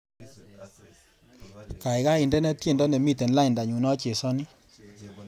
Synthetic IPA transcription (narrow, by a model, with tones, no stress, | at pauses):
ka˨ɪ˨ka˦ɪ˨ndɛ˦nɛ˦t̪e˦˨ndɔ˦nɛ˨mi˦t̪ɛ˨nla˦ɪ˨nda˨ɲu˨nɔ˦t͡ʃe˨sɔ˦nɪ˦